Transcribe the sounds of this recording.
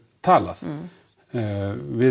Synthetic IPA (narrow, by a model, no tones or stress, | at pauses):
t̪ʰaːla̰θ | vɪ